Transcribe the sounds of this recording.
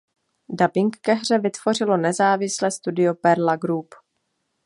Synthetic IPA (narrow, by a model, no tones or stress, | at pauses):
dabɪŋkːɛɦr̝ɛvɪt̪v̥o̞r̝ɪlo̞nɛzaːvɪslɛːst̪udɪopɛɾlaɡɾup